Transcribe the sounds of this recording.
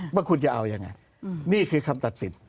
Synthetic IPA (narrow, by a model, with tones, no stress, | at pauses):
baː˧˥˩ŋkʰu˧nt͡ɕa˨˩ʔa˧wja˧ŋːa̰˧j | niː˥˩kʰɯː˧kʰa˧mt̪a˨˩t̪̚si˩˦n